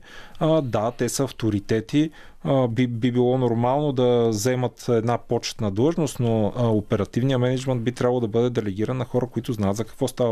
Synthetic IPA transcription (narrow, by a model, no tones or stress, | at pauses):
d̪at̪ɛsəɐft̪oɾit̪ɛt̪i | bibibilˠɔnoɾmalˠnod̪ɐzɛmət̪ɛd̪napɔt͡ʃɛ̥t̪nɐd̪lˠɤʒnost̪noopɛɾɐt̪ivnijəmɛnɛd͡ʒmɛnd̪̚bit̪ɾʲabəlˠd̪ɐbɤd̪ɛd̪ɛlɛɡ̟iɾənːɐxɔɾəkoit̪ʊznajət̪zɐkɐ̥kvɔst̪avə